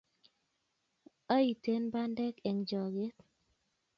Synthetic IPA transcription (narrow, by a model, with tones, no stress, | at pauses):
a˦i˨te˦nba˦ndɛ˦kɛ˨ŋd͡ʒɔ˨ɡe˦t